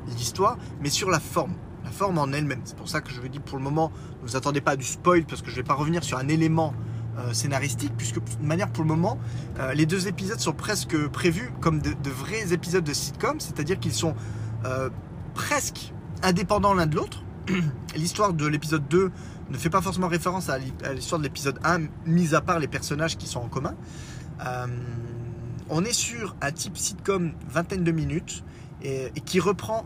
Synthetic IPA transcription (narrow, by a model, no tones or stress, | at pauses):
list̪waːʁmɛsyʁlafɔʁm | lafɔʁmɑ̃nɛlmɛmsɛ̥puʁsakəʒəvud̪ipuʁləmɔmɑ̃ | vuzat̪ɑ̃d̪epad̪yspɔjlpaʁsə̥kəʒəvɛpaʁəvəniʁsyʁɛ̃nelemɑ̃øsenaʁist̪ik̚pɥiskəd̪ynmanjɛʁpuʁləmɔmɑ̃øled̪øzepizɔd̪sɔ̃pχɛskəpχevykɔmd̪əd̪əvʁɛzepizɔd̪̚ːəsit̪̚kɔmsɛt̪ad̪iʁkilsɔ̃ø | pχɛsk | ɛ̃d̪epɑ̃d̪ɑ̃lɛ̃d̪əlot̪χ | list̪waʁd̪əlepizɔd̪ːø | nəfɛpafɔʁsemɑ̃ʁefeʁɑ̃saa̰list̪waʁd̪əlepizɔd̪ɛ̃ | mizapaʁlepɛʁsɔnaʒkʲi̥sɔ̃ɑ̃kɔmɛ̃ | øm | ɔ̃nɛsyʁɛ̃t̪ipsit̪kɔmvɛ̃t̪ɛnd̪əminyt̪ | eekʲiʁəpχɑ̃